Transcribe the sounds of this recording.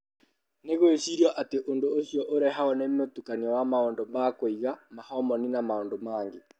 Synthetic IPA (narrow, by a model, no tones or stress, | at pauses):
neɣoeɕiɾiɔʔateʔondoːɕjɔʔoɾɛɦaɔnɛmotukaniɔwamaɔndɔmakoiɣamahɔmɔninamaoːndomaːŋɡe